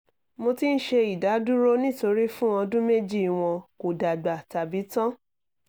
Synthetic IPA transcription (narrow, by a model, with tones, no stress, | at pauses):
mo˧ti˦n̩˦ʃe˧i˨da˨˦du˦ɾo˦nĩ˦to˧ɾi˦fũ˦ɔ̃˧dũ˦me˦d͡ʒi˦˨w̃ɔ̃˧ko˨da˨ɡ͡ba˨ta˨bi˨˦tã˦